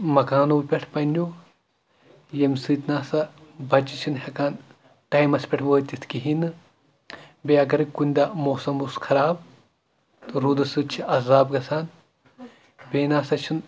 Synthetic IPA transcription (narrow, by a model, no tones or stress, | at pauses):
mɐkaːnoːpʲeʈʰpɐnʲo | jemsɨːt̪ʲnaːsɐbɐt͡ʃit͡ʃʰinɦʲɐkaːn | ʈɐjmɐspʲeʈʰʋəːt̪ʲit̪ʰkiɦinɨ | bʲeɐɡɐɾɨkunʲd̪ɐmoːsɐmuskʰɐɾaːb | t̪ɨɾuːd̪ɐsɨt̪̚t͡ʃʰiʔɐzaːbɡɐsaːn | bʲeːnaːsɐt͡ʃʰin